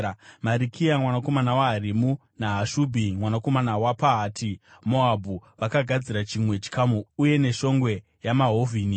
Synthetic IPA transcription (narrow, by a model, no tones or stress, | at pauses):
maɾikʰiamwanako̞manawaɦaɾimu | naɦaʃubʱimwanako̞manawapaɦaːtimo̞abʱuʋakaɡʱad͡ziɾat͡ʃimwe̞t͡ʃi̥kamuuje̞ne̞ʃo̞ŋɡwe̞ | jamaɦovʱiːni